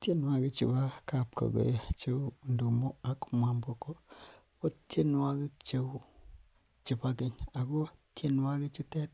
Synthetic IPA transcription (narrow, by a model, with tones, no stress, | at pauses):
te˦n˦wa˨ɡi˦t͡ʃḭ˨ba˦ka˨pko̰˨ɡo̰˨ja˨t͡ʃe˦˨ndu˨mo˦a˨ku̥˦ma˨mbo˨ko˦ | ko˦te˦n˦wa˦ɡi˦t͡ʃe˦u˦ | t͡ʃi˨ba˦ɡi˦ɲa˨ɡo˦te˦n˦wa˦ɡi˦t͡ʃu˦te˦t̚